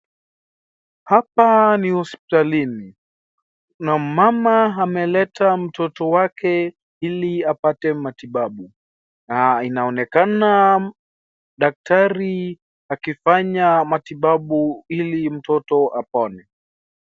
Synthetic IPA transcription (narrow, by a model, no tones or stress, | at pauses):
hapanihɔspi̥talini | namamaamɛlɛtam̩tɔtɔwakɛ | iliapatɛmatiɓaɓu | nainaɔnɛkana | ɗak̚taɾi | akifaɲamatiɓaɓuilim̩tɔtɔʔapɔnɛ